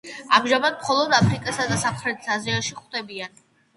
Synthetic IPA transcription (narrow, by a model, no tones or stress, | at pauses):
amʒamad̪̚mχɔlˠɔd̪apʰɾikʼasad̪asamχɾɛt̪ʰisaziaʃiχwd̪ɛbian